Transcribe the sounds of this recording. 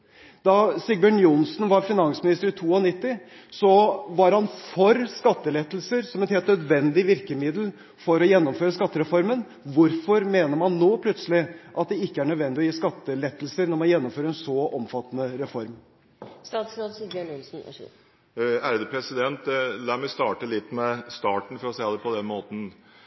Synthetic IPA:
d̪̥ɑsɪɡ̚bæɳjʊnsnʋɑɾfɪnɑnsmɪnɪst̪əɾɪt̪ʰuːɔnɪt̪ːɪ | sɔʋɑɾhɑnfɔɾskɑt̪ːəlɛt̪ːl̩səɾsɔmɛnheːlt̪nœd̪ʋɛnd̪ɪʋɪɾkəmɪd̪l̩ | fɔɾɔjɛnːɔmføːɾəskɑt̪ːəɾɛfɔɾmən | ʋʊɾfɔɾmeːnəɾmɑnːoːpʰlœt̪səlɪʔɑt̪̚d̪ɛɪkːəæɳœd̪ʋɛnd̪ɪɔjiːskɑt̪ːəlɛt̪ːəl̩səɾnɔɾmɑnjɛnːɔmføːɾəɾɛnsɔʔɔmfɑt̪ːənəɾɛfɔɾm | st̪ɑːt̪sɾɑt̪sid̪ɑɳʊlsn̩ | æɾd̪əpʰɾɛsɪd̪ɛnt̪lɑːmɛɪst̪ɑːʈəlɪt̪ːmɛst̪ɑːʈɳ̩fɔɾɔsɛɑd̪əpʰɔd̪ɛnmoːt̪n̩

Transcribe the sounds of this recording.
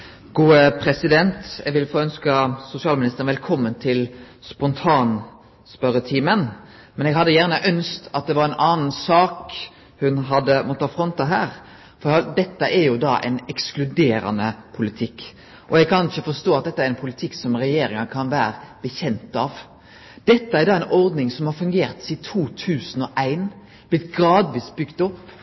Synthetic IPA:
ɡ̥uːəpʰɾɛsɪd̪ɛnt̪ɛ̰ʋɪlfoːœnskəsʊsɪɑːlmɪnɪst̪əɾnʋɛlkʰɔmːənt̪ʰɪl | spɔnt̪ʰɑːn | spœɾət̪ʰiːmən | mɛnɛɡɦɑd̪ːəjæːʁnəʔœnst̪ɑt̪̚d̪ɛʋɑɾɛnʔɑːnn̩sɑːk | hʉnɦɑd̪əmɔt̪ʰːɑːfɾɔnt̪ɑɦæːɾ | fɔɾɑd̪ɛt̪ːəʔæɾjʊd̪ɑ̰ʔɛ̰ɪnɛksklʉd̪eːɾɑ̰nəpʰʊlɪt̪ʰɪkː | ʔɔɛɡ̚kʰɑnɪçəfɔst̪oːɑt̪d̪ɛt̪ːəæɾɛnpʰʊlɪt̪ʰɪkːsɔmɾɛjeːɾɪŋɑkʰɑnʋæːɾəb̥əçɛnt̪ɑʋ | d̪̥ɛt̪ːəæɾd̪ɑːæɪnʔɔɾd̪nɪŋsɔmhɑɾfʉŋɡeːɾt̪siːt̪ʰuːt̪ʰʉːsən̩ɔʔæɪn | b̥lɪt̪ɡɾɑːd̪ʋiːsbʏɡt̪ɔpː

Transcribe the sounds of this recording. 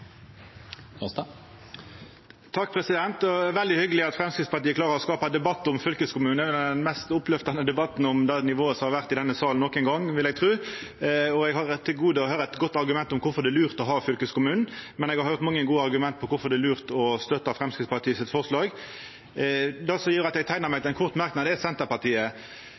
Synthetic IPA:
t̪ʰɑkːpʰɾɛsɪd̪ɛnt̪ɔɛʋɛld̪ɪhʏɡəlɪɑt̪fɾɛmskɾɪt̪spɑɾt̪iːəklɑːʁəʁɔskɑːpɑd̪ɛbɑt̪ːʊmfʏlkəskʊmʉːnɛʋɛnnmɛst̪ʊplœft̪ɑnəd̪ɛbɑt̪n̩ɔmd̪ɛnɪʋoːəsɔmhɑʁʋæʁt̪ɪd̪ɛnːəsɑːln̩ɔkːɛŋɡɑŋːʋɪlɛɡ̚t̪ʰʁʉː | ɔɛɡhɑɾt̪ʰːɪlɡuːd̪əɔhøːɾəɛt̪ɡɔt̪ːɑɾɡʉmɛnt̪ɔmkʰʊɾfɔʁd̪ɛlʉːʁt̪ɔɦɑːfʏlkəskʊmʉːnn̩mɛnɛɡhɑɾhjʊɾʁt̪mɑŋːəɡuːəɑɾɡʉmɛnt̪̚pʰɔkʊfɔd̪ɛlʉːʁt̪ɔst̪œt̪ːɑfɾɛmskɾɪt̪spɑt̪ʰiːsɪt̪fɔʁʂlɑːɡ | d̪ɛsɔjyːɾɑt̪jɛɡt̪ʰæɪnəɾmæɪt̪ɪlɛnkʰʊʁt̪mɑɾknɑd̪əɛsɛnt̪əɾpɑʁt̪iːə

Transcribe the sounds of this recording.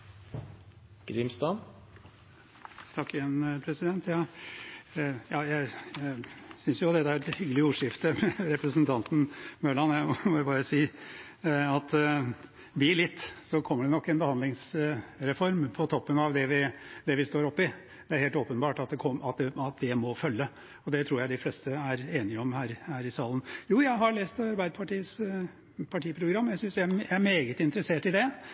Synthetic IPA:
ɡ̥ɾɪmst̪ɑn | t̪ʰɑkːɪɛnpʰɾɛsɪd̪ɛnt̪ʰjɑː | jɑːjæɪ | sʏnsjʊd̪ɛt̪ːæɾɛt̪hʏɡəlɪuːʂɪft̪əɾɛpɾəsənt̪ʰɑnt̪n̩møːɭɑnjæɪmɔjʊbɑːɾəsiː | ɑt̪ | d̪ɪɭɪt̪ːsɔkʰɔmːəɖɛnɔkːɛnbəhɑnd̪lɪŋsɾɛfɔɾmpʰɔt̪ʰɔpːənɑʋd̪ɛʋɪd̪ɛʋɪst̪oːɾɔpːɪ | d̪ɛæɾheːlt̪oːpənbɑːʈɑt̪̚d̪ɛkʰɔmɑt̪̚d̪ɛɑt̪̚d̪ɛmɔfœlːə | ɔd̪ɛt̪ʰɾuːɾjæɪɪflɛst̪əæɾeːnɪəɔmhæːɾhæːɾɪsɑːlənjuːjæɪɦɑɭeːst̪ɑɾbæɪd̪əpʰɑʈiːəs | pʰɑʈʰiːpʰɾʊɡɾɑmːjæɪsʏnsjæjææɾmeːɡət̪ɪnt̪əɾəseːʈɪd̪ɛ

